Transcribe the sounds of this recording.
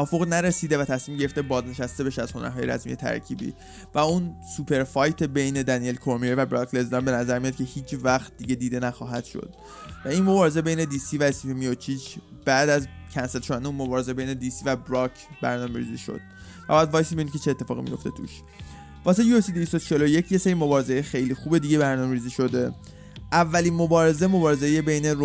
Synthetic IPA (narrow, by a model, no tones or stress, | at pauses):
ʔɒːfo̞ɣnæɾesiːd̪evæt̪ʰæsmiːmɟe̞ɾeft̪ebɒːzneʃæst̪e̞be̞ʃæz̥ho̞næ̰ɾɦɒːje̞ɾæ̰smḭje̞t̪ʰæ̰ɾcʰḭːbḭ | væunsupʰe̞ɾfɒjt̪ʰe̞be̞jne̞d̪ænielkʰoɾmiɾevæbɾɒkʰle̞zd̪ɒnbe̞næzæɾmijɒt̪̚cʰe̞hiːt͡ʃʰvæxt̪̚d̪iɟe̞d̪iːd̪e̞næxɒːɦæd̪̥ʃo̰d̪̥̚ | væinmo̞bɒːɾe̞ze̞be̞jne̞d̪iːsivæespifimiot͡ʃʰit͡ʃb̥æʔd̪æzcʰænse̞lʃod̪ændeunmo̞bɒːɾe̞zebe̞jne̞d̪iːsivæbɾɒkʰbæ̰ɾnɒːmeɾḭːziʃo̞̰d̪̥væbjæd̪vɒːjsimenimkʰʲe̞t͡ʃʰe̞et̪ʰːe̞fɒ̰ːɣḭmḭjo̞ft̪e̞t̪ʰṵʃ | vɒːs̬ejuesid̪eist̪ot͡ʃʰelo̞je̞cʰjeseɾimobɒːɾe̞zejexe̞jlixuːbe̞d̪iɟe̞bæɾnɒːmeɾiːziʃo̞d̪e | ʔævːælinmo̞bɒːɾeze̞mo̞bɒːɾe̞zejebe̞jne̞